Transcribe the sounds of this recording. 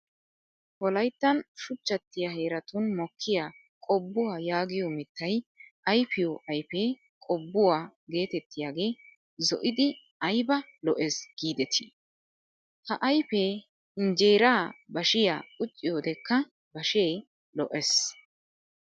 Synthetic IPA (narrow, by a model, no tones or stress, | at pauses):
wɔlɐjt̪ːɐnʃʊt͡ʃːɐt̪ːɪjaɦe̞ːɾɐt̪ʊnmɔkʰːɪja | kʼɔbːʊwaːjaːɡɪjɔmɪt̪ːɐjɐjfɪjɔʔɐjpe | kʼɔbːʊwaːɡe̞ːt̪ɛt̪ːɪjaːɡe̞ː | zɔ̰ʔɪd̪ɪ | ɐjbɐ | lɔʔesɡ̥iːd̪ɛt̪ʰi | hɐʔɐjpe | ɪnd͡ʒeːɾaːbɐʃɪja̰ːkʼʊt͡ʃʼːɪjoːd̪ɛkːɐ | bɐʃeː | lɔʔɛs